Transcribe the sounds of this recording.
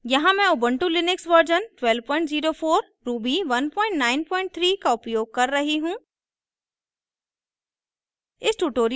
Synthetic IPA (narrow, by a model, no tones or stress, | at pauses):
jɐɦãmɛ̃ʊbə̃ɳʈulɪnɪksʋəɾd͡ʒənʈwɛlʋpɔ̃ːɪ̃ɳʈziːɾoːfoːɾ | ɾuːbiːʋɐnpɔ̃ːɪ̃ɳʈnaːɪnpɔ̃ːɪ̃ɳʈ̚t̪ʰɾiːkaʊpjoːɡ̚kɐɾːɐɦiɦũː | ɪsʈuːʈoːɾ